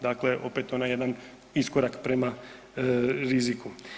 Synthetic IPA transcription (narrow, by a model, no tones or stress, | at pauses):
d̪aklɛʔopɛt̪onajɛd̪an | iskɔɾakpɾɛma | ɾiziku